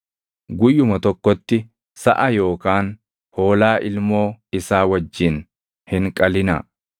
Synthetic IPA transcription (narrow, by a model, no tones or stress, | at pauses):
ɡʊjːʊmɐt̪ɔkːɔt̪ːɪ | sɐʔɐjo̞ːkaːn | ho̞ːlaːʔɪlmo̞ːɪsaːwɐd͡ʒːɪn | hɪŋkʼɐlɪnɐ̰